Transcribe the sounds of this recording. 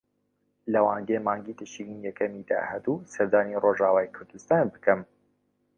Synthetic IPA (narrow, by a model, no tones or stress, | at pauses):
lɐwaːnɡemaːŋɡit̪ɨʃinijɛkɐmiːd̪a̰ːhɛd̪uːsɐɾd̪aːniroːʒaːwaːjkʰʊɾd̪ust̪aːnbɨkɨm